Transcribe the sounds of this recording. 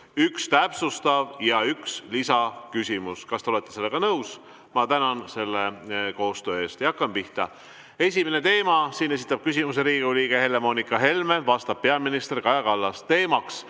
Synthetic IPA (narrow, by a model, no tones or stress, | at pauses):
ykst̪æpsust̪ɑvjɑykslisɑkysʲimuskɑst̪eole̞t̪ːˑse̞lːe̞ɡɑnɤws | mɑt̪ænɑnse̞lːeko̞ːst̪ø̞ːe̞ːst̪jɑkˑːɑmpiht̪ɑ | e̞sʲimene̞t̪e̞ːmɑsiːne̞s̬it̪ˑːɑb̥̚kys̬ʲimuse̞ɾiːɡ̥ioliːɡ̥ehe̞lːemo̞nikːˑɑɦe̞lme̞vɑst̪ɑb̥̚pːeɑminist̪e̞rkɑjɑkɑlːɑst̪e̞ːmɑks